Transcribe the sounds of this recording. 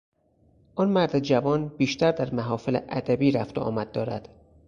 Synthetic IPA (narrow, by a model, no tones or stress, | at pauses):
ʔɒnmæɾd̪ed͡ʒævɒːnbiːʃt̪æɾd̪æɾmæɦɒːfelḛʔæd̪æbiːɾæft̪oʔɒ̰ːmæd̪ːɒːɾæd̪̥